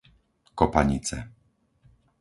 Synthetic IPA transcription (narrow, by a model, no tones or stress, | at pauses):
kɔpaɲit͡sɛ